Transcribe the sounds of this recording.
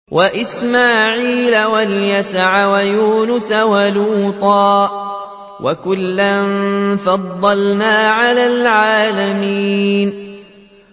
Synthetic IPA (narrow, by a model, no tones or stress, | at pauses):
wʔaʔɪsmaːʕiːlawaljasʕawajuːnʊsawaluːt̪ˤɑː | wʔa̰kʊlːanfɑd̪ˤːɑlnaːʕalaːlʕaːlamiːn